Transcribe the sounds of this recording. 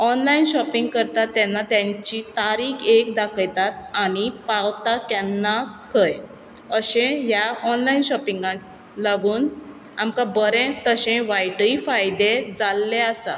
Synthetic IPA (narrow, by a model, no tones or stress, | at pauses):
ɔnlainɕɔpiŋɡ̚kəɾt̪at̪ːjanːat̪jãɲt͡ɕit̪aɾiːkʰekd̪akʰəjt̪at̪aɽ̃ipawt̪akjɛnːakʰəj | əɕẽjaɔnlainɕɔpiŋɡã | laɡuːn | amkabəɾẽt̪əɕẽʋajʈifajd̪ed͡zalːeasa̰